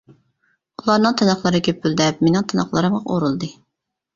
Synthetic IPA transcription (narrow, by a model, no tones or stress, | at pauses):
ulˠɑɾnɨŋt̪ʰɑnɑχlˠɨɾɨkʲʰøpʰyld̪ɛpmenɪŋt̪ʰɑnɑχlˠɑɾɨmʁɑʔo̰ɾulˠd̪ɨ